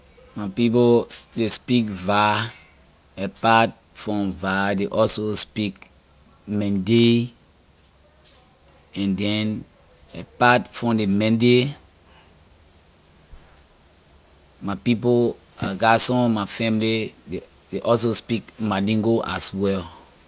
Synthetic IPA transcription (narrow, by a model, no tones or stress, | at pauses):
mapip̬odespikva | ɛpat̚ | fɹɔ̃mvadeʔɔlsospik | mɛ̃nde | ɛ̃ndɛn | ɛpatfɹɔ̃mdemɛ̃nde | mapip̬o | a̰ɡasɔ̃mafɛ̃milide | deʔɔls̬ospikmalĩŋɡoʔaswɛl